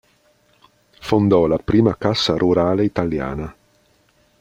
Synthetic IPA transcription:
fond̪ɔlapɾiːmakasːaɾʔuɾaːleit̪alja̰ːna

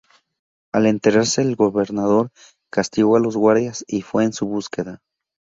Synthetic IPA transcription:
ale̞nt̪e̞ɾaɾse̞ːlɡo̞βe̞ɾnaðo̞ɾ | kast̪iɣo̞alo̞zɣwaɾðjasifwe̞ːnsuβuske̞ða

